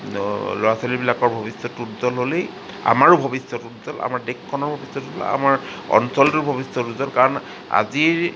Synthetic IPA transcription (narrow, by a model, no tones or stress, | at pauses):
loɹasolibilakɔɹbʱɔbisɔtutzɔlɦolej | a̰maɹubʱɔbisɔtutdɔla̰maɹdekʰːɔnɔɹbʱɔbisɔtulɔ̰a̰maɹɔ̰nsɔltuɹbʱɔbisɔtuzɔlkaɹɔn | a̰ziɹ